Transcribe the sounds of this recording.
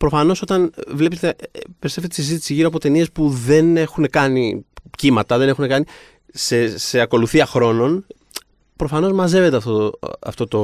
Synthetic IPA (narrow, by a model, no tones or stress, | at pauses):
pɾofɐno̞so̞t̪ɐnvle̞pet̪episefet̪isizit̪i̥siʝiɾopo̞t̪e̞nie̞spuðe̞ne̞xune̞kɐnipcimɐt̪ɐðe̞ne̞xune̞kɐni | sese̞ɐko̞luθiɐxɾo̞no̞n | pɾo̞fɐno̞zmɐze̞ve̞t̪eɐft̪oɐ̰ft̪o̞t̪o̞